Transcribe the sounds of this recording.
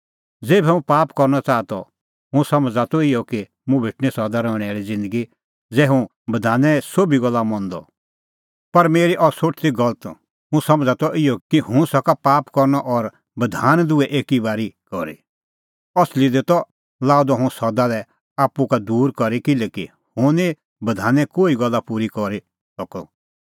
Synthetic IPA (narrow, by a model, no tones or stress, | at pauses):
d͡zeːbʱɛũpaːpkɔɾnɔt͡saːt̪ɔ̰ | ɦʊ̃sɐmd͡zat̪ɔɪjɔki | mũbʱɪʈnisɔd̪aɾɔ̃ːɽ̃ɛaːɾid͡zɪ̃nd̪əɡi | d͡zɛːɦũ | bɐd̪ʱaːnɛ̃sobʱiɡɔlːamɔ̃nd̪ɔ̰ | pɐɾmeːɾiʔɔsoʈʰt̪iɡɔlət̪ | ɦũsɐmd͡zat̪ɔʔɪjɔkiɦʊ̃sɔkapaːpkɔɾnɔʔɔɾ | bɐd̪ʱaːnd̪ʊɛʔeːkibaːɾikɔɾḭ | ɔslid̪et̪ɔ | laːud̪ɔɦʊ̃sɔd̪alɛ | aːpːukad̪uːɾkɔɾikɪlɛki | hʊ̃ni | bɐd̪ʱaːnɛ̃koːiɡɔlːapuːɾikɔɾi | sɔkɔ̰